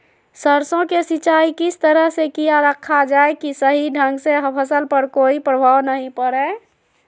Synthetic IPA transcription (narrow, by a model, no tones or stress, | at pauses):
səɾsõkesit͡ʃaːikɪst̪əɾəɦsekijaɾəkʰːad͡ʒaekisəɦiɖʱə̃ŋɡseɦpʰəsəlpəɾkoːipɾəbʱaːwnəɦĩpəɽe